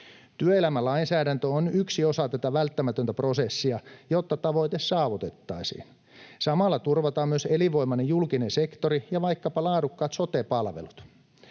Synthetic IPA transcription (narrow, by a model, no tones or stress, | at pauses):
t̪yøelæmælɑinsæːdænt̪øonyksiosɑt̪æt̪æʋælt̪ːæmæt̪ønt̪æpro̞sesːiɑjot̪ːɑt̪ɑʋo̞jt̪essɑːʋut̪et̪ːɑisḭːn | sɑmɑlːɑt̪urʋɑt̪ɑːmmyøseliʋo̞imɑnejjulkinensekt̪orijɑʋɑikːɑpɑlɑːdukːɑːt̪sot̪epɑlʋelut̪